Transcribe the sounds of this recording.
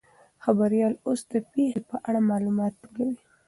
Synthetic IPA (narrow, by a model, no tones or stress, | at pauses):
xabaɾijɑlosd̪əpexepəʔaɽamɑlumɑt̪wəlawi